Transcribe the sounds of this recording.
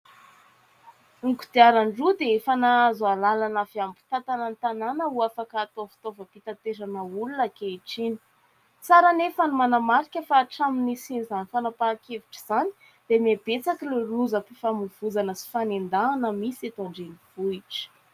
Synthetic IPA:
uŋkud̪̥iaɾaɳɖ͡ʐud̪eefanazalalanafiambu̥t̪at̪anant̪ananəuafakːt̪ofi̥t̪ovəpit̪at̪ezanəulunakeiʈ͡ʂini̥ | t͡saɾanefanumanamaɾikʲəfaːʈ͡ʂaminisinizanifanapakeviʈ͡ʂi̥z̥ani̥ | d̪̥emiab̥et͡sakileruzəpifamuv̥ud͡zanəsi̥fanend̪aːnəmiset̪aɳɖ͡ʐeniv̥uiʈ͡ʂə̥

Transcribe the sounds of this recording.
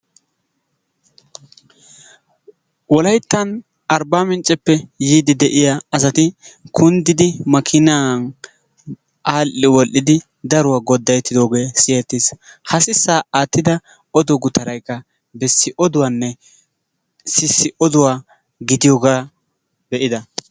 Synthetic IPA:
wɔlɐjt̪ːɐn | ɐɾbaːmɪnt͡ʃʼːɛpːɛjiːd̪ɪd̪ɛʔɪjaɐs̬ɐt̪ɪkʰʊnd̪ɪd̪ɪmɐkʰɪnaːn | ʔaːlʔɪwɔlʔːɪd̪ɪ | d̪ɐɾʊwaːɡɔd̪ːɐjt̪ːɪd̪o̞ːɡe̞ːsɪjɛt̪ːishɐsɪsːaːaːt̪ːɪd̪ɐ | ɔd̪ɔɡʊt̪ɐɾɐjkːɐ | bɛsːɪʔɔd̪ʊwaːnːɛ | sɪsːɪʔɔd̪ʊwaː | ɡɪd̪ɪjɔːɡaː | bɛʔɪd̪ɐ

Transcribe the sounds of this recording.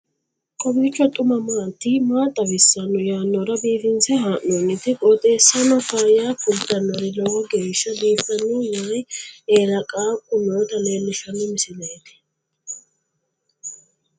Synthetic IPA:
kʼɔbiːt͡ʃːɔt̪ʼʊmɐmaːt̪ːimaːt̪ʼːɐbɪsːɐnːʊjaːnːɔɾɐbiːfɪnsɛɦaːʔonːɪt̪ːɪkʼɔt̪ʼeːsːɐnɐfaːjaːkʊd̪ɐnːɔɾɪlɔɡɔɡeːʃːɐd̪iːfɐnːɔjaːjeːɾɐkʼaːkʼʊnoːd̪ɐleːlːɪʃɐnːʊmɪsɪnɛt̪ɪ̥

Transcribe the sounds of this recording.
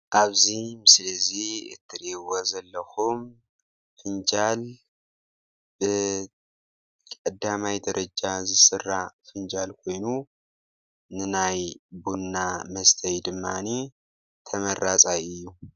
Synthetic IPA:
ʔaβzimɨslɐziɨ̰t̪ʰːɨɾiwozɐlːɐxum | fɨnd͡ʒal | bɨ | kʼɐd̪amajd̪ɐɾɐd͡ʒazɨsɨrːafɨnd͡ʒalkʰo̞jnu | nɨnajbunːamɐst̪ʰɐjd̪ɨmːani | t̪ʰɐmɐɾat͡sʼajɨjːu

